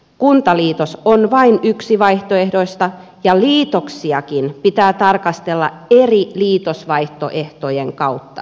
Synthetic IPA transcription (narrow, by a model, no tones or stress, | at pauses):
kunt̪ɑliːt̪osonʋɑinyksiʋɑiht̪oehdoist̪ɑ | jɑliːt̪oksiɑkinpit̪æːt̪ɑrkɑst̪elːɑ̰eriliːt̪osʋɑiht̪o̰ʔeht̪ojeŋkɑut̪ːɑ̰